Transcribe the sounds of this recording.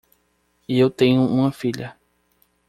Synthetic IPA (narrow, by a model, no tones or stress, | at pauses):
iewt̪ẽɲũũɐ̃fiʎɐ